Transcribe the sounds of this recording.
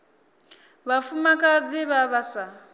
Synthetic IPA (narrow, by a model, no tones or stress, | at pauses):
βafumakʼad͡ziβaβasa